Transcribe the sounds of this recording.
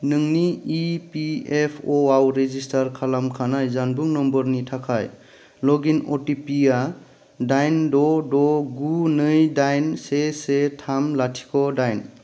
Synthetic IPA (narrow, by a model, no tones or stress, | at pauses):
nɯŋniipiepʰoawɾezistʰaɾkʰalamkʰanajzanbuŋnɔmbɔɾnitʰakʰaj | lɔɡinɔtipia | dajndɔdɔɡunɯjdajnsesetʰamlatʰi̥kʰɔdajn